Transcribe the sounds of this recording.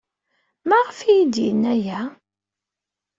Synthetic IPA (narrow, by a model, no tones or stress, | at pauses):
mæʁəfijid̪jə̰nːæjæ